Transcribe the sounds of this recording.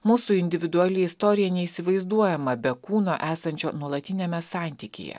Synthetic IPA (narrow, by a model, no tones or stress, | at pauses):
muːsuːɪnʲd̪ʲɪʋʲɪd̪ʊɑlʲɪist̪ɔɾʲɪjɛnʲɛiːsʲɪʋɐɪzd̪uɔjɛmɐbʲɛkuːnoːʔæːsɐnʲt͡ʃʲoːnuɔlˠɐt̪ʲɪnʲɛmʲɛsɑˑnʲt̪ʲikʲḛːjɛ̰